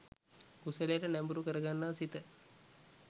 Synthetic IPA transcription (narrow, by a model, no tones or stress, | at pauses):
kusəlejəʈənæmbuɾukəɾəɡanːaːsit̪ə